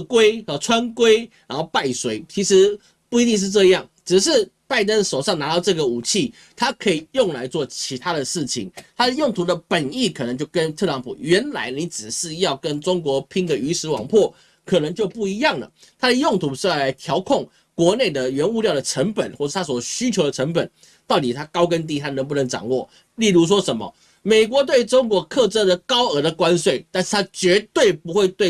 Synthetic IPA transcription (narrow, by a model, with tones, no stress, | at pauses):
kwe˦˥ɪ˧˩ʈ͡ʂʰwa˦nkwe˥ɪna˧˥nxo˥˧ʊpa˥˩ɪswe˧˥˦ɪt͡ɕʰi˧˥ʂɻ̩˧˥ | pu˥˩i˧˥t̪i˥˧ŋʂ̬̩˥˧ʈ͡ʂɤ˥˧jɑ˥˩ŋʈ͡ʂɻ̩˨ʂ̬ɻ̩˥˧pa˥˩ɪt̪ə˦nʂo˨˩ʊʂɑ˥˩ŋna˧˥ɑ˥˧ʊʈ͡ʂɤ˥˩ɡə˩u˨˩t͡ɕʰi˥˩ | t̪ʰa˥kʰɤ˧˥i˨˩jʊ˥˩ŋla˧˥ɪt͡swɔ˥˩t͡ɕʰi˧˥t̪ʰa˦˥d̪ə˨ʂɻ̩˥˩t͡ɕʰḭ˨˩ŋt̪ʰa˥d̪ə˨jʊ˥˩ŋt̪ʰu˧˥d̪ə˨pə˨˩ni˥˩kʰnə˧˦ŋt͡ɕjo˥˩ʊkə˦˥nt̪ʰɤ˥˩˨lɑ˧˦˥ŋpʰṵ˨˩ɥɛ˧˥nla̰˧˥ɪni˧˥ʈ͡ʂɻ̩˨˩ʂɻ̩˥˧jɑ˥˩ʊkə˦˥nʈ͡ʂʊ˥ŋkwɔ˧˥pʰi˥ŋd̪ə˨y˧˥ʂɻ̩˧˥wɑ̰˨˩ŋpʰwɔ˥˩ | kʰɤ˨˩nə˧˦ŋt͡ɕjo˥˧ʊpu˥˩i˧˥jɑ˥˩ŋlə̰˩ | t̪ʰa˥d̪ə˨jʊ˥˩ŋt̪ʰu˧˥ʂɻ̩˥˧jla˨˧˥ɪt̪ʰjɑ˧˥ʊkʰʊ˥˩ŋ | kwɔ˧˥ne˥˩ɪd̪ə˨ɥɛ˧˥nu˥˧ljɑ˥˩ʊd̪ə˩ʈ͡ʂʰə˧˥ŋpə˨˩nxwɔ˥˩˨t̪ʰa˥s̬wɔ˨˩ɕy˥t͡ɕʰjo˧ʊd̪ə˨˩ə˧˥ŋpə˨˩˦n | t̪ɑ˥˩ʊt̪i˨˩t̪ʰa˥kɑ˥ʊkə˥˦nt̪̬i˥˨t̪ʰa˥nə˧˥ŋp̬u˥˩nə˧˥ŋʈ͡ʂɑ̰˨˩ŋwɔ˥˩ | li˥˧lu˥˩ʂ̬wɔ˥ʂə˧˥nmə̰˨ | me˨˩ɪk̬wɔ˧˥t̪̬we˥˩ɪʈ͡ʂʊ˥ŋkwɔ˧˥kʰɤ˥˨ʈ͡ʂə˥d̪ə˨kɑ˥ʊə˞˧˥d̪ə˨kwa˦˥nswe˥˩ɪt̪a˥˧nʂ̩˥˩t̪ʰa˥t͡ɕɥɛ˧˥t̪we˥˩ɪpu˧˥xwe˥˧ɪt̪we˥˩ɪ